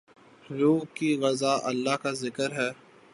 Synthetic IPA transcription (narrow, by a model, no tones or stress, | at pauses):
ɾuːkiɣɐzaːʔɐlːaɦkazɪkəɾɦɛː